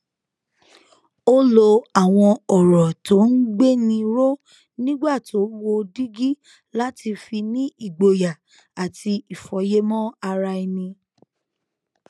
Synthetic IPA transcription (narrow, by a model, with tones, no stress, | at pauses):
o˦lo˧a˨w̃ɔ̃˧ɔ˨ɾɔ˨to˨˦n̩˦ɡ͡be˦nĩ˧ɾo˦ | nĩ˦ɡ͡ba˦˨ti˨o˦wo˧di˦ɡi˦ | la˦tʰi˧fi˧nĩ˦i˦˨ɡ͡bo˨ja˨ | a˨ti˧i˨fɔ˨˦je˦mɔ̃˦a˧ɾa˧i˧nĩ˧